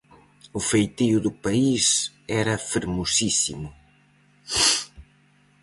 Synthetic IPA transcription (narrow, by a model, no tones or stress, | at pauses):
ʊfejt̪iʊðʊpais | ɛɾɐfeɾmosisḭmʊ